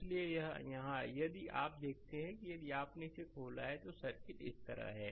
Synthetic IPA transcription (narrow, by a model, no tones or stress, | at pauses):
liejɐɦjɐɦãjɐd̪iʔa̰ːp̚d̪eːkʰt̪eɦɛ̃kijɐd̪iaːpnesekʰoːlaɛt̪osɐɾkɪʈɪ̰st̪ɐ̰ɾa̰ɦɛː